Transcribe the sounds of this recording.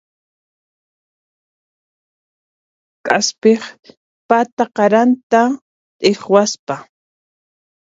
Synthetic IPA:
kʼaspeχ | pat̪aqɑɾant̪a | t̪ʼeχwaspa

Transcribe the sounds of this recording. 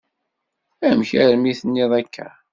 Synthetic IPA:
æmçæɾmiθənːɪðˤækʰːæ̰

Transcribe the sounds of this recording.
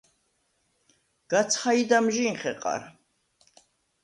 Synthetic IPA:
ɡ̥at̪sʰχaid̪amʒiŋχɛqʼa̰ɾ

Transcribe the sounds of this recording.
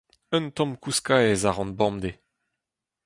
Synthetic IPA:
œnt̪ɔ̃mkuskaezaʁɑ̃nbɑ̃md̪e

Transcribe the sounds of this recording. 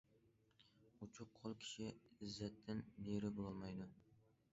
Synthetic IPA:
ʊt͡ʃʰʊqʰːolˠkʲʰɪ̥ʃɪɪzːat̪ʰːɪnːeɾɪbolˠɒlˠmajd̪ʊ

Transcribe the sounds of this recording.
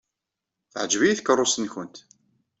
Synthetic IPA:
θəʕəd͡ʒvijiθkərˤːosənçʊnt̪

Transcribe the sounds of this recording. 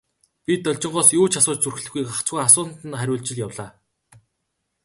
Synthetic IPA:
pʲit̪ːɔɮʲt͡ɕɪ̆ɴɢɔːsjoːt͡ɕʰasʊːt͡ɕt͡surxɘ̆ɮɘ̆xɡujkakt͡sɡujasʊːn̥t̪ɘ̆nχæɾʲʊːɮt͡ɕɪ̆ɮjawɮaː

